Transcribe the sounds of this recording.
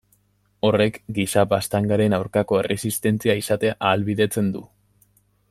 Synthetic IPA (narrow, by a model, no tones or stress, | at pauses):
o̞re̞kɡisabast̪aŋɡaɾe̞nawɾkako̞e̞rʔe̞sist̪e̞nt͡siaisat̪e̞aʔaːlβiðe̞t͡se̞nd̪u